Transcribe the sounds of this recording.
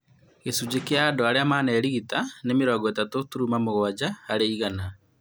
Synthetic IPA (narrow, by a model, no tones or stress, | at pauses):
ɣesud͡ʑekeaːdoaɾeamaːnɛɾiɣitanemeɾɔːɡɔɛtatotuɾumamoɣwad͡ʑaaɾeiɣana